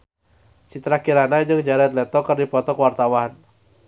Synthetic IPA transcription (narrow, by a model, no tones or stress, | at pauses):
t͡ʃit̪ɾakiɾanad͡ʒɨŋd͡ʒaɾɛt̪̚lɛt̪ɔkɨrdipɔt̪ɔkwart̪awan